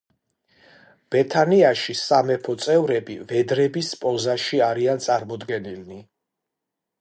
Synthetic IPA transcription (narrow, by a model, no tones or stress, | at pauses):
b̥ɛt̪ʰaniaʃisamɛpʰɔt̪sʼɛvɾɛbivɛd̪ɾɛbispʼɔzaʃiaɾiant̪sʼaɾmɔd̪ɡɛnilni